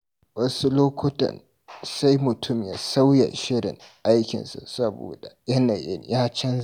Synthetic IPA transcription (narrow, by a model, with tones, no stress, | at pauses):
wɐ˦su˦loː˦kʷʊ˦tɐ̰˨n | sa˦jmʊ˨tʰʊ˦˨mjaː˦sa˦wjɐ̰˨ʃɪ˦ɽɪ̰˨ŋʔa˦jkʲɪ̰˨nsa̰˨sɐ˦bo̰ː˨da̰˨jɐ˦na˨jɪ̰˦njaː˦t͡ʃɐ˦n